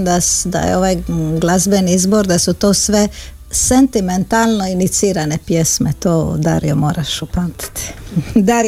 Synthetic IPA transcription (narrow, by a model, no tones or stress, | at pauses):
d̪asd̪a̰jḛo̞ʋajɡlˠazbeniizboɾd̪asut̪oːsʋe̞ | sent̪iment̪aːlˠnoinit̪siːɾanepjesmet̪oːd̪aɾijomoːɾaʃupamt̪i̥t̪i̥d̪aɾ